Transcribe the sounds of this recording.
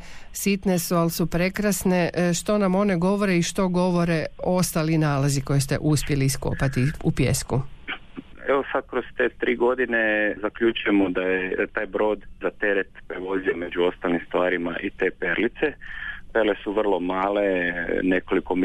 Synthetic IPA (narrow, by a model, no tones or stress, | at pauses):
sit̪ne̞sualsupɾe̞kɾasne̞ʃt̪o̞namo̞ne̞ɡo̞ʋoɾeiʃt̪o̞ɡo̞ʋo̞ɾe̞o̞st̪alinaːlaziko̞jest̪e̞̰ʔuspje̞liːsko̰pat̪iupjḛsku | eʋosad̪̚kɾost̪eːt̪ɾiːɡo̞d̪inezakʎut͡ʃujemod̪ajet̪aːjbɾo̞ːd̪zat̪eɾet̪pɾeʋo̞ziomed͡ʒuo̞st̪alnimst̪ʋaːɾima̰ʔit̪e̞ːpeɾlit̪sepeɾlesuʋr̩lˠo̞maːlenekolikom